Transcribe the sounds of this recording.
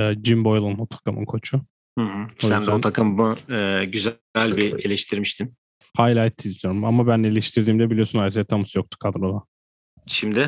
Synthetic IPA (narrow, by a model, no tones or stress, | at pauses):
d͡ʒimbo̞jlˠunnot̪ʰḁkɯmɯ̰nkʰo̞t͡ʃʰʊ | hɯ̃ɦɯsoænd̪ɛot̪ʰakʰɯmmɯːɟyz | ælʲbie̞lʲɛʃt̪ʰiɾmiʃt̪ʰim | haːjlʲaːjt̪ʰːizd̪ʲijo̞ɾumamabænːelʲɛʃt̪ʰiɾd̪iːmd̪ɛbilʲijo̞sunajs̬ejɛt̪ʰamusujo̞k̚t̪ʰu̥kʰad̪ɾod̪ˠa | ʃimd̪ɪ